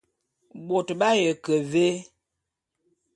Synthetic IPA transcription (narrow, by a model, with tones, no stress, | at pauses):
bo˨tɓa˦jə˨kə˨ve˦